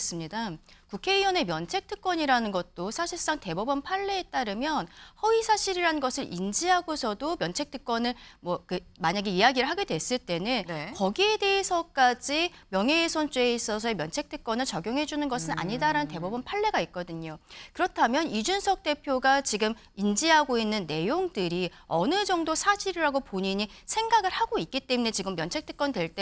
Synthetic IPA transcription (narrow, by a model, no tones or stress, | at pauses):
s͈ɯmɲidakukʰe̞iwʌne̞mjʌnt͡ɕʰe̞k̚tʰɯk̚k͈ʌɲiɾanɯnɡʌt̚t͈osʰaɕʰiɭs͈aŋte̞bubʌnpʰaɭːe̞et͈aɾɯmjʌnhʌisʰaɕʰiɾiɾanɯnɡʌsʰɯɾʔind͡ʑiɦaɡosʰʌdomjʌnt͡ɕʰe̞k̚t͈ʰɯk͈wʌnɯɭmwʌkɯmaɲaɡe̞ijaɡiɾɯɭɦaɡe̞dwe̞s͈ɯɭt͈e̞nɯnnkʌɡie̞de̞esʰʌk͈ad͡ʑimjʌŋɦeːsʰont͡ɕ͈ue̞is͈ʌsʰʌemjʌnt͡ɕʰe̞k̚t͈ʰɯk̚k͈ʌnɯɭt͡ɕʌɡjoŋɦe̞d͡ʑunɯnɡʌsʰɯna̰ɲidaɾanɯnt̬e̞bubɯnpʰaɭːe̞ɡaik̚k͈ʌdɯɲokɯɾʌtʰamjʌnid͡ʑunsʰʌk̚t͈e̞pʰjoɡat͡ɕiɡɯm | ind͡ʑiɦaɡoinːɯnːe̞joŋdɯɾiʌnɯd͡ʑʌŋdosʰaɕʰiɾiɾaɡopoɲiɲisʰe̞ŋɡaɡɯɭhaɡoik͈it͈e̞mune̞t͡ɕiɡɯmːjʌnt͡ɕʰe̞k̚t͈ʰɯ̥k͈ʌndwe̞ɭt͈e